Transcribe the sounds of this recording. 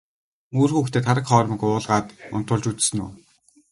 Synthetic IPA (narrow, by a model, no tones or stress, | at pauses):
muːrxuːxt̪ʰeːt̪ʰaɾə̆kχɔːɾ̆mikʊːɮʁaːt̪ʊ̰n̥t̪ʰʊɮt͡ɕut͡ssɘ̆nṵː